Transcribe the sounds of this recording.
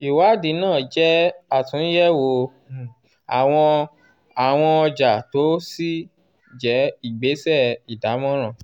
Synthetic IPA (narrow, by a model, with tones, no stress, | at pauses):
i˨wa˨˦di˨˦nãː˦˨d͡ʒɛ˦a˦˨tũ˨˦jɛ˦wo˧˨ | a˨w̃ɔ̃˧ | a˨w̃ɔ̃˧ɔ˧d͡ʒa˨to˨˦si˦ | d͡ʒɛ˨˦i˦˨ɡ͡be˨˦sɛ˦˨i˨da˨˦mɔ̃˦ɾ̃ã˦˨